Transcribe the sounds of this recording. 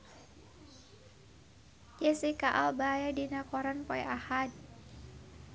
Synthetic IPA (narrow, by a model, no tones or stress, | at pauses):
jesikaʔɔlbajadinakɔɾanpɔɛ̰ʔahad̪̚